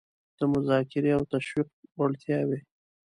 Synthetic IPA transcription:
d̪̥əmʊzɑkɪɾeawt̪aʃwiq̚waɽt̪jɑwe

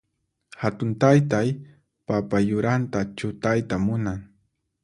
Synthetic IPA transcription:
hat̪ʊnt̪ajt̪aj | papajʊɾant̪at͡ʃʊt̪ajt̪amʊnaŋ

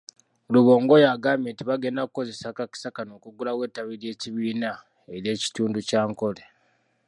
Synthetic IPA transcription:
luβo̞ːŋɡo̞jaːɡaːmeːntiβaɡe̞ndakukːo̞ze̞sakaki̥sakano̞ːkuɡulawe̞ːtaβiɾje̞ːciβiːna | eɾje̞ːci̥tuːnducaːŋko̞le

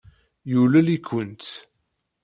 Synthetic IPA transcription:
julælikːənt̪

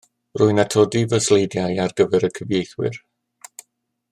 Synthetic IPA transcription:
rʊɨnatʰɔdivəslejdjajarɡəvɛɾəkʰəvjejθwɪ̰r

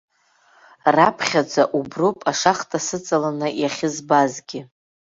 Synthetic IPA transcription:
rapʰχʲad͡zaʔubropʼaʂaχtʼasɨt͡sʼalanɨjaχʲɪzbazɡʲɪ

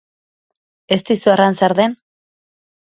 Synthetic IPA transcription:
e̞st̪isuaransaɾðe̞n

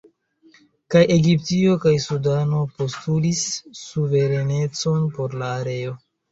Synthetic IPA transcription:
kajʔe̞ɡiptio̞kajsudano̞po̞stulisːuve̞ɾe̞ne̞t͡so̞npo̞ɾlaːɾe̞o̞

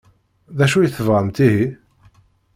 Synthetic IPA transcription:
ðæʃujəθəvʁəmt̪iɦi

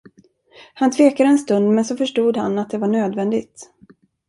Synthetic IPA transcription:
hant̪ʰveːkad̪əɛnst̪ɵnd̪mɛnsɔfœʂʈuːd̪ha̰nːat̪̚d̪ɛvaɳøːd̪vɛnd̪ɪɡt̪

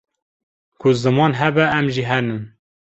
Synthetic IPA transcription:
kʰʊzɨmɑːnɦɛbɛʔæmʒiɦɛnɨn

